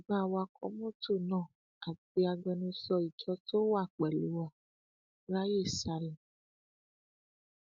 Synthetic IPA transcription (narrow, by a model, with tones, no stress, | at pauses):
i˨ɡ͡ba˦˨wa˧kʰɔ̰˧˦mõ˦to˦˨nãː˦˨ | a˨k͡pi˧a˧ɡ͡bɛ˧nũ˧sɔ˧i˨t͡ʃɔ˧to˦wa˦˨k͡pɛ˨lu˨˦wa˦˨ | ɾa˦je˦˨sa˧lĩ˨